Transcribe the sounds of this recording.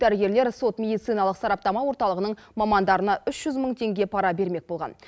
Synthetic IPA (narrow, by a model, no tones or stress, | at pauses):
d̪æɾɡʲe̞ɾle̞ɾso̞t̪mʲe̞d̪ijt̪sɨjnɑlˠəqsɑɾɑp̚t̪ɑmɑwo̞ɾt̪ɑlˠəʁənəɴmɑmɑnd̪ɑɾənɑʔʏʃʒ̥ʏzməɴt̪ʰe̞ŋɡʲe̞pʰɑɾɑbe̞ɾme̞k̚bo̞lˠʁɑ̰n